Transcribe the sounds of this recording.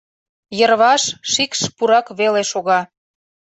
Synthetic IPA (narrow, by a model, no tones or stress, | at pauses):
jərβɑʃʃikʃpuɾɑkβeleʃoɣɑ